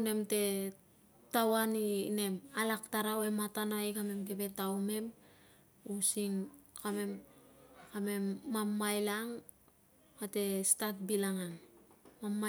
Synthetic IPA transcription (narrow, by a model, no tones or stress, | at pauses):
ne̞mte̞ | tawanine̞malaktaɾawematanaikame̞mke̞be̞tawme̞m | usiŋkame̞m | kame̞mːamːajlaŋ | kate̞stat̚bilaŋanmamːa